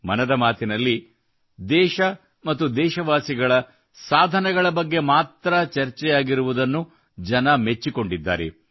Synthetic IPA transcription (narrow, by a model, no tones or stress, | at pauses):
mɐnɐd̪ɐmaːt̪inɐlːi | d̪ɛːʃɐ | mɐt̪ːud̪ɛːʃɐʋaːsiɡɐɭɐ | saːd̪ʱɐnɐɡɐɭɐbɐɡːe̞maːt̪ɾɐt͡ʃɐɾt͡ʃɛjaːɡiɾuʋud̪ɐnːu | d͡ʒɐnɐme̞t͡ʃːiko̞ɳɖid̪ːa̰ːɾḛ